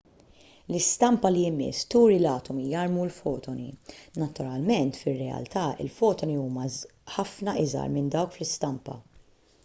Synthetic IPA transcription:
lɪst̪ɐmpɐliɪmɪ̰sːt̪uːɾilɐːt̪ɔmijɐɾmulfɔːt̪ʰɔnḭnɐt̪ʊɾɐlmɛnt̪fɪrːɛɐ̰lt̪ɐːɪ̰lfɔːt̪ɔniuːmɐ | ħɐfnɐʔɪzɐ̰ɾmɪnd̪ɐwkflɪst̪ɐmpɐ̰

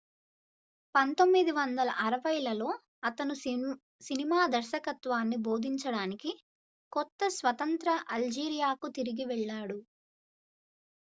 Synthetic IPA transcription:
pɐnt̪o̞mːid̪iʋɐnd̪ɐlɐʔɐɾɐʋɐjɐlɐlo̞ː | ɐt̪ɐnu | sinimaːd̪ɐɾʃɐkɐt̪ʋaːnːibo̞ːd̪ʱiɲt͡ʃɐɽaːniki | kɔt̪ːɐsʋɐt̪ɐnt̪ɾɐʔɐld͡ʒiːɾijaːkut̪iɾiɡiʋɛɭːaːɽu

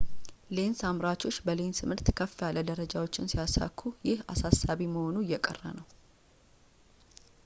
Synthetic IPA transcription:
le̞nsamɾat͡ʃʰo̞t͡ʃːbəle̞nsɨmɨɾt̪kʰəfːɛjaləd̪əɾəd͡ʒawo̞t͡ʃːɪnsijasa̰kʰːujɪhasasːaβiməho̞nuɪjːɛkʼə̰rːə̰nəw

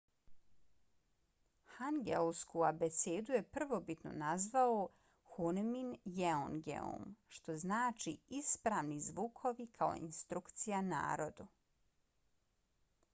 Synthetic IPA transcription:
hanɡḛlskuabet̪seːd̪uje̞pr̩ʋo̞bit̪no̞̰nazʋao | xunminjeoŋɡḛo̰mʃt̪o̞znaːt͡ʃiispɾaːʋnizʋukʰo̞ʋikʰao̞̰ḭnst̪ɾukt̪sijana̰ːɾo̞d̪u

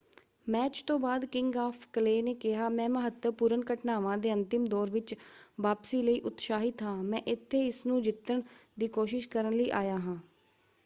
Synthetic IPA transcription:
mɛːt͡ʃt̪õːbaːd̪kɪŋɡaːpʰkəleːneːkɪɦaːmɛ̃ːməɦət̪ːəpʊɾənkəʈnaːʋãːd̪eːə̃nt̪ɪmd̪ɔːɾʋɪt͡ʃʋaːpsiːləiːʔʊt̪ʃaːɦɪt̪ɦãːmɛ̃ːʔɪt̪ʰːeːɪsnũːd͡ʒɪt̪ːəɳd̪iːkoːʃɪʃkəɾənləiːʔaːjaːɦãː

